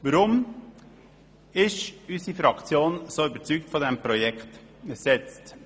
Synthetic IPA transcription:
ʋəɾʊm | ɪʃysifɾɑkt͡sjoːnsoːybəɾt͡syːk̚tfɔdɛmpɾɔjɛkt̪ | sɛt͡st

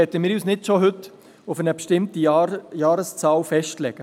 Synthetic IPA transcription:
ɛt̪ːəmɪːɾjyːsnɪtʃoɦʏtː | ʊfənəpʃtɪmtijɑːɾəst͡sɑːwfɛʃtlɛɡ̥ə

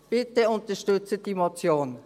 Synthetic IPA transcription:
b̥ɪtəʊntɐʃtʏt͡səd̥imot͡sjoːn

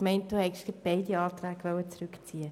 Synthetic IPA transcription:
mɛɪnt̚d̥uːhɛɪʃɡ̥ɪt̚b̥ɛɪdiɑːt̪ʁæːɡʋœwət͡sɾʏkt͡siːə

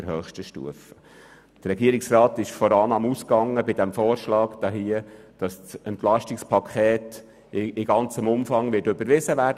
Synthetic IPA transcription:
əɾɦœːχʃtəʃtṵəfə̥ | d̥ɾɾɛɡiːəɾiksrɑːt̪ɪʃfɔɾɑnɑmuskɑŋːəbɪd̪æmfɔːɾʃlɑːɡd̥ɑɦiəd̥ɑssɛnt̪lɑʃtikspʰɑkʰχɛːt | ɪɡɑnt͡səmʊmfɑŋʋɪtɵbəɾʋɪzəʋæːɾdə

